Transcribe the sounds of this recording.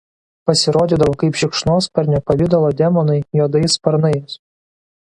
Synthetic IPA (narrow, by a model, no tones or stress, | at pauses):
pɐsʲɪɾoːd̪ʲiːˑd̪ɐʋoːkɐɪpʃʲɪkʃnoːspɐɾʲnʲɛpɐʋʲɪd̪ɐlˠoːd̪ʲɛmɔnɐɪjoːd̪ɐɪspɐɾnɐɪs